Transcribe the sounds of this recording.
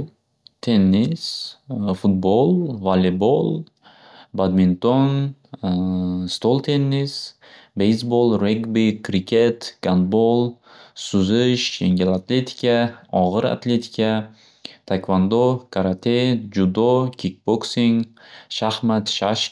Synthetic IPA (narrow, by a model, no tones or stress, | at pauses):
t̪ʰenːisfut̪̚bolˠvalibolˠ | bad̪mint̪on | st̪olˠt̪ʰenːis | bejsbolˠɾeɡbikʰɾikʲʰet̪ɡ̥ant̪bolˠ | sʊzɨʃʃeŋɡʲelat̪ʰlet̪ʰi̥kʲaɒʁɨɾa̰t̪let̪ʰi̥kʲa | t̪ʰakvand̪okʰaɾat̪ʰed͡ʒud̪ɔkʲʰik̚boksiŋʃahmat̪ʃaʃ